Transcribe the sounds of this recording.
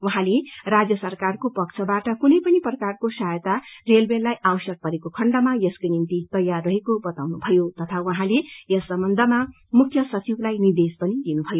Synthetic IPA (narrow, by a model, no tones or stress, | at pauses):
uɦãlerad͡zjʌsʌrkarkopʌkt͡sʰʌbaʈʌkunʌjpʌniprʌkarkosajt̪arelbellajʔawsʌk̚pʌɾekokʰʌɳɖʌmajʌskonint̪it̪ʌjːarːʌɦekobʌt̪awnubʱʌjot̪ʌt̪ʰauɦãlejʌsːʌmbʌnd̪ʱʌma | mukʰjʌsʌt͡siblajnird̪espʌnid̪inubʱʌjo